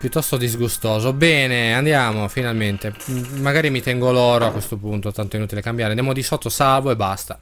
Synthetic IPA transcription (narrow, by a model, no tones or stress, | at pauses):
pjut̪ːɔst̪od̪izɡust̪ɔːzobɛːneand̪jaːmofinalment̪eːaɡaːɾimit̪ɛŋɡolɔːɾoakwest̪opunt̪ot̪ant̪oinuːt̪ilekambjaɾeand̪jamod̪isɔt̪ːosavoebːast̪ḁ